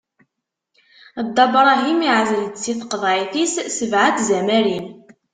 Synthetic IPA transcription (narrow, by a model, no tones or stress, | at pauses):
d̪ˤːɑbɾˤɑɦimiʕzələd̪t͡sːiθqəðˤʕiθissəvʕaθzæmæɾin